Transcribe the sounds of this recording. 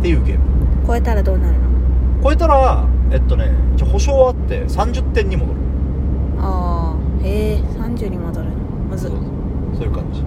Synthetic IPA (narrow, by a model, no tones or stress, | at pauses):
t̪e̞jɯ̟ːɡe̞̰ːbɯko̞e̞t̪aɾad̪o̞ːnaɾɯ̟noko̞e̞t̪aɾaet̪ːo̞ne̞it͡ɕaho̞ɕo̞ːat̪ːe̞̰sãɲ̟d͡ʑɨt̪ːẽ̞ɲ̟ːimo̞d̪o̞ɾɯ̟ | aːesãɲ̟d͡ʑɨːɲ̟imad̪oɾɯn | mazɨoo | soːjɯkã̰ɲ̟d͡ʑi̥